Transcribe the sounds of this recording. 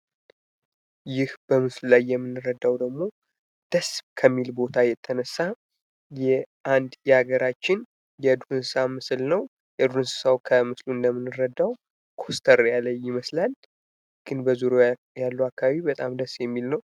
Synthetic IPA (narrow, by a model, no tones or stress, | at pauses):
jɪhb̥əmɨsllajːɛmːɨnːɨɾəd̪ːawd̪əɡmo̞ | d̪̥əskʰəmːilbo̞t̪ʰajɛt̪ʰːənəsːa | jɛʔand̪jɛaɡəɾat͡ʃːɪn | jɛd̪uhɨnssamɨslnəw | jɛd̪uɨnsɨ̥sawkʰəmɨsluɨnd̪əmːɨnːɨɾəd̪aw | kʰo̞st̪ʰəɾjalːəjːɪməslal | ɡ̥ɨnbəzuɾo | jalːuakʰːaβaβibət̪ʼamd̪əsjɛmːilnəw